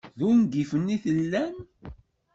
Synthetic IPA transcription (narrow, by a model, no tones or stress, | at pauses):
ðunɡifənːiθəlːæm